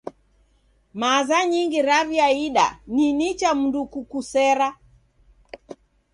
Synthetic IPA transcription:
mazaɲiŋɡiɾaviaiɗa̰ninit͡ʃam̩ndukukusɛɾa

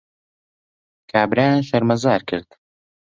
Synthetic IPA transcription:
kʰaːbɾaːnʃɐɾmɐzaːɾkʰɨ̰ɾd̪

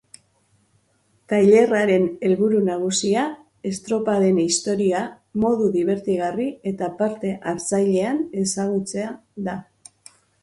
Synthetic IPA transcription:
t̪ajʎe̞raɾe̞ne̞lβuɾunaɣ̞usia | e̞st̪ɾo̞paɾe̞nist̪o̞ɾia | mo̞ð̞uðiβ̞e̞ɾt̪iɣarie̞t̪apaɾt̪e̞ʔaɾt͡sajʎe̞ane̞saɣ̞ut͡se̞aða

